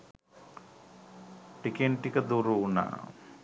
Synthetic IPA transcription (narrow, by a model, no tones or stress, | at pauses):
ʈikeɳʈikəd̪uɾuːna̰ʔ